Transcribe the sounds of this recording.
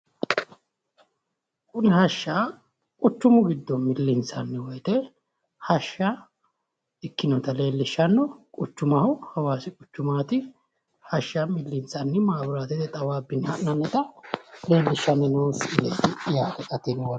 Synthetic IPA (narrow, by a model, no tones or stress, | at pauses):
kʊnɪɦɐʃːa | kʼʊt͡ʃːʊmʊɡɪd̪ːɔmɪlːɪnsɐnːɪwɔjt̪ɛ | hɐʃːɐ | ɪkːɪnɔt̪ɐle̞ːlːɪʃːɐnːɔkʼʊt͡ʃːʊmɐhɔhɐwaːsɪkʼʊt͡ʃːʊmaːt̪ɪ | hɐʃːamɪlːɪnt͡sɐnːɪmaːbɪɾaːt̪ɛt̪ɛt̪ʼɐwaːbːɪnːɪhɐʔnɐnːɛt̪ɐle̞ːlːɪʃːɐnːɪnoːnsɪlɛjt̪ɪɪjaːk̪ɛt̪ʼɐt̪ɪnw